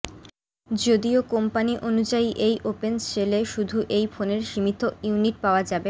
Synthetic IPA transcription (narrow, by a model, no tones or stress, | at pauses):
d͡ʑod̪iokompaniʔonud͡ʑaiʔejʔopent͡ɕeleʃud̪ʱuʔejfʰoneɾʃimit̪oiuniʈ̚paoad͡ʑabe